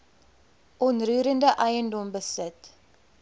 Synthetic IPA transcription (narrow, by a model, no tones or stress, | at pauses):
ʔɔnrʉːɾəndəʔɐjəndɔmbəsət